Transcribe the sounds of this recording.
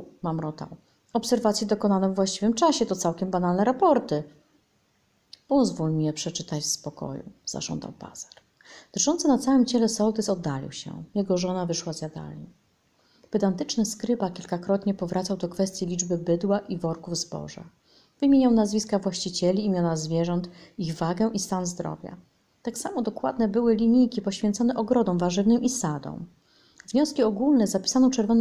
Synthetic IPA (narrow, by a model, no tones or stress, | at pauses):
mamɾɔt̪a̰w | ɔpsɛɾvat̪sʲjɛd̪ɔkɔnanɔvvwaɕt͡ɕivɘmt͡ʂaɕɛt̪ɔt̪sawkʲɛmbanalnɛɾapɔɾt̪ɘ | pɔzvulmʲjɛpʂɛt͡ʂɘt̪at͡ɕspɔkɔ̰jṵza̰ʐɔ̰nd̪a̰wpa̰saɾ | d̪̥ʐɔnt̪sɘnat̪sawɛmt͡ɕɛlɛsɔlt̪ɘsɔd̪ːalʲḭwɕɛ̰jɛɡɔʐɔnavɘʂwazʲjad̪a̰lɲi | b̥ɘd̪ant̪ɘt͡ʂnɘskɾɘbakʲilkakɾɔt̪ɲɛpɔvɾat̪sawd̪ɔkfɛst̪ʲjilʲid͡ʐbɘbɘd̪waʔivɔɾkuvzbɔ̰ʐa̰ | v̥ɘmʲjeɲawnazvʲiskavwaɕt͡ɕit͡ɕɛlʲiːmʲjɔnazvʲjɛʐɔnt̪iɣvaɡɛʔist̪anzd̪ɾɔ̰vʲja̰ | t̪aksamɔd̪ɔkwad̪nɛbɘwɘlʲiɲijkʲipɔɕfʲjɛnt̪sɔnɛʔɔɡɾɔd̪ɔ̃w̃vaʐɘvnɨmisad̪ɔ̰̃w̃ | vɲɔskʲiɔɡulnɛzapʲi̥sanɔ̃t͡ʂɛɾvɔn